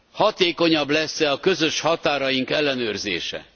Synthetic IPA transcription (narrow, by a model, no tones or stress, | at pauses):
hɒt̪eːko̞ɲɒblɛsːɛɒkøzøʃhɒt̪aːɾɒjiŋkɛlːɛnøːrzḛːʃɛ̰